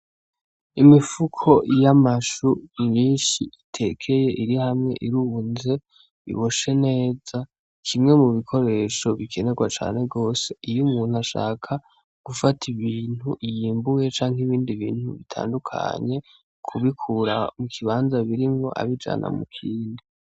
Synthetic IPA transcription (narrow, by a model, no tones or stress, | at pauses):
imifukʰo̞jamaʃuɲiːnʃiitʰe̞kʰe̞je̞ʔiɾihamŋe̞̰ʔiɾunze̞ | ḭβoʃe̞ne̞ːza | kʰimŋe̞muβikʰo̞ɾe̞ʃo̞βikʰe̞ne̞ɡwat͡ʃa̰ːne̞ɡo̞ːse̞̥ijumuːnuaʃa̰ːkʰa | ɡ̥ufatʰiβiːn̥huʔijiːmbuje̞t͡ʃaːŋ̥iβiːndiβiːn̥hṵβitʰa̰ːndukʰa̰ɲe̞ | kʰuβikʰuɾa̰mukʰiβaːnzaβiɾimŋo̞̰ʔa̰βid͡ʒa̰nʔa̰mukʰiːndi